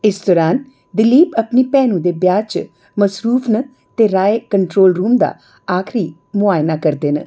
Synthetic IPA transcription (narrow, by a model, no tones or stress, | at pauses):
ɪsd̪ɔːɾaːn | d̪ɪliːpəpniːpɛːnũːd̪eːbjaːt͡ʃ | məsɾuːfʰnə | t̪eːɾaːeːkəɳʈɾoːlɾuːmd̪a̰ː | aːkʰɾiː | mʊaːɪnaːkəɾd̪eːnə̰